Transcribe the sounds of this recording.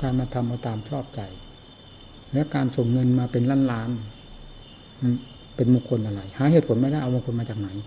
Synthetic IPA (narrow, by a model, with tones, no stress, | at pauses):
kaː˧nmaː˧t̪ʰa˧mbaː˧t̪aː˧mt͡ɕʰɔː˥˩p̚t͡ɕa˨˩j | lɛ˦˥ʔkaː˧nso˨˩ŋːɤ˧nmaː˧pe˧nlaː˥˩˨nlaː˦˥m˧˥˩ | pe˧nmuː˨˩kʰo˧nʔa˧ɾa˧˩jhaː˩˦heː˨˩t̪̚ʰo˩˦nma˧˥˩jda˥˩ʔa˧wa˧ŋkʰo˧nmaː˧t͡ɕaː˨˩k̚na˩˦j